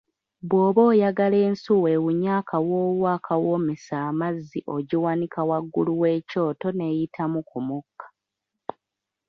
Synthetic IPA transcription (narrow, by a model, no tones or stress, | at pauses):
βwo̞ːβo̞ːjaɡale̞ːnsuwewuɲaːkʰawoːβwaːkʰawo̞ːmisaːmazːiʔo̞ɟiwanikʰawaɡːuluwe̞ːco̞ːto̞ne̞jitʰamukumukːḁ